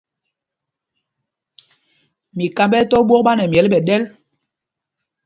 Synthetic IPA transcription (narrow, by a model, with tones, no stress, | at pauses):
mi˨ka˦mbɛ˦tɔ˦ɓwɔ˦k̚ɓa˦nɛ˨mjɛ˨˦lɓɛ˨ɗɛ˦l